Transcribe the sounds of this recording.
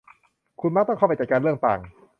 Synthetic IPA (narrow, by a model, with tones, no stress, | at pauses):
kʰu˧nma˥t̪ɔ˥˩ŋʰkʰa˥˩pjt͡ɕa˨˩kaː˧nlɯ˥˩əŋt̪a̰ː˨˩ŋ